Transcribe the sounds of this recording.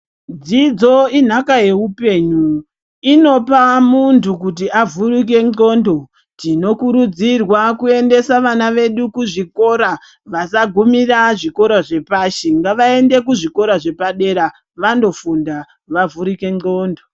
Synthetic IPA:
d͡zid͡zo̞in̤akaje̞upe̞ɲu | ino̞pamuntʰukut̬iavurik̬e̞ŋŋ͡ǃo̞ndo̞ | tino̞kuɾud͡zirwakue̞nde̞saʋanaʋe̞ɗukuʐiko̞ɾa | ʋasaɡʱumiraʐiko̞ɾaʐe̞paʃeŋɡaʋae̞nde̞kuʐiko̞ɾaʐe̞paɗe̞ɾa | ʋando̞funda | ʋavuɾike̞ŋ͡ǃo̞ːndo

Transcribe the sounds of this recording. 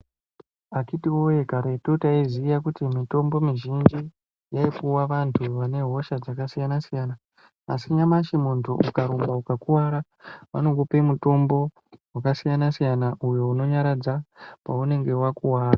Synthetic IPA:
akitiwojekaɾetutaiziːjakutimito̞mbo̞miʒind͡ʒi | jaipuwaʋantʰuʋane̞ɦo̞ʃad͡zakasijanasijaːnaː | siɲamaʃimuntʰṵʔukaɾombaukakuwaɾa | ʋa̰no̞ŋɡopemuto̞mbo̞ | wakasijanasijanaʔujo̞uno̞ɲaɾad͡zapaune̞ŋɡe̞wakuwaːra

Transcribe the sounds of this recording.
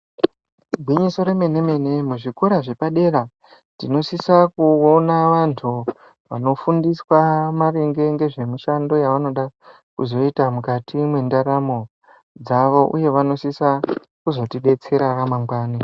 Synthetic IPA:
bʱwiɲiso̞ɾeme̞ne̞me̞ne̞muʐikoɾaʐe̞paɗe̞ɾa | tino̞sisakuonaʋantʰu | ʋa̰no̞fundiswamaɾeŋɡe̞ŋɡe̞ʐe̞muʃando̞jaʋano̞ɗa | kuzo̞itamukatʰimwendaɾamo̞ | d͡zaʋo̞ʔuje̞ʋano̞sisa | kuzo̞tiɗe̞t͡se̞ɾaramaŋɡwaːne

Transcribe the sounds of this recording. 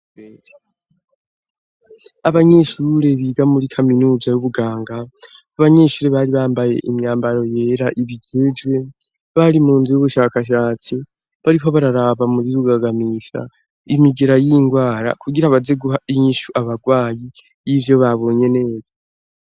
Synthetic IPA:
aβaɲe̞ːʃuːɾe̞βiɡamuɾikʰaminuːzajuβuɡaːŋɡa | aβaɲe̞ːʃuːɾe̞βaɾiβaːmbaje̞̰ʔimɲaːmbaɾo̞je̞ːɾaʔiβid͡ʒed͡ʒwe̞ | βaɾimuːnzujuβuʃaːkaʃaːt͡si | βaɾiɦo̞βaɾaɾaβamuɾiɾuɡaɡamiʃa̰ | imiɡeɾajiŋɡwaːɾa̰kʰuɡiɾaβazeɡuɦaiɲiʃuʔaβaɡwaːji | jivjo̞βaβo̞ɲe̞ne̞ːza

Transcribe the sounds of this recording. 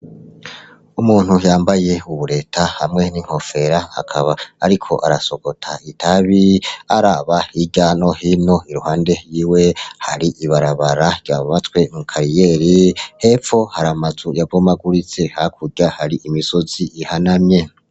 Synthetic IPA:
umuːn̥hujaːmbaje̞uβuɾe̞ːtʰahamŋe̞niŋ̥ho̞fe̞ɾaa̰kʰaβaːɾikʰo̞̰ʔaɾaso̞ɡ̥o̞tʰaitʰaβiaɾaβahiɟano̞hino̞iɾuhaːnde̞jiːwe̞haɾiʔiβaɾaβaɾaɾɟjaββat͡swe̞mukʰaɾijeɾihe̞fo̞haɾamazujavvomaɡuɾit͡se̞hakʰuɟahaɾiʔimiso̞z̥iʔihanamɲe̞

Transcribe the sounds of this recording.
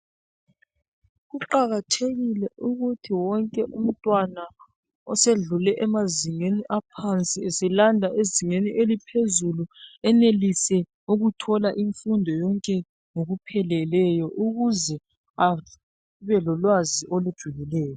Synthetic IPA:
ɣuǃaɣatʰeɣilɛʔuɣutʰiwɔŋkʼɛʔum̩tʼwana | ɔseɮulɛʔɛmaziŋeniʔapʰant͡sʼiesilandʱaʔeziŋeniʔelipʰezuluɛnelisɛ | uɣutʰɔlaʔiɱfundʱɔjɔŋkʼɛ | ŋoɣupʰɛlɛlɛjɔʔuɣuzɛ | a | βɛlɔlwaziʔolud̥ʒ̥ʱuɣilɛːjɔ

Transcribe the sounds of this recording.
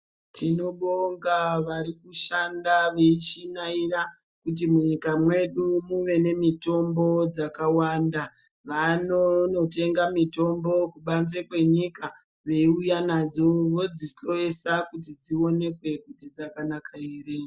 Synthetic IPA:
tʰino̞ɓoŋɡaʋaɾikuʃandaʋe̞iʃinaira | kut̬imuɲikamwe̞ɗumuʋe̞ne̞mito̞mbo̞d͡zakawaːnda | ʋanono̞te̞ŋɡamito̞mbo̞kuɓanzekwe̞ɲika | ʋe̞iujanad͡zo̞ʋo̞d͡zisɬo̞jesakut̬id͡zio̞ne̞kwe̞kutid͡zakanakʰaiːre

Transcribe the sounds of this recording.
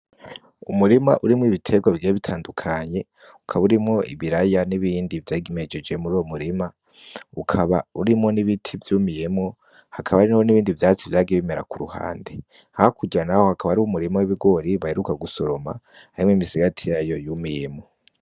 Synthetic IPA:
umuɾimaʔuɾimŋiβitʰe̞ɡwavɟeβitʰaːndukʰaɲe̞ | ukʰaβauɾimŋo̞ʔḭβiɾajaniβiːndivjaːɡimed͡ʒe̞d͡ʒe̞muɾuːwo̞muɾima | ukʰaβauɾimŋo̞niβitʰivjumijemŋo̞ | hakʰaβaaɾinawo̞niβiːndivjaːt͡sivjaːɡiβime̞ɾa̰kuɾuha̰ːnde̞ | hahakʰuɟanahohakaβaaɾiumuɾimawiβiɡo̞ɾiβahe̞ɾukaɡuso̞ɾo̞ma̰ | aɾimŋimisiɡatʰijajo̞jumijemo̞

